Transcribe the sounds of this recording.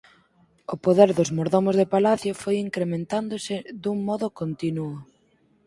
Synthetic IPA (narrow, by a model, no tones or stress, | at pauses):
ʊpoðeɾðʊzmoɾðomʊzðepalaθjʊfojiŋkɾemẽnt̪and̪ʊsɪd̪uŋmɔðʊkont̪inuʊ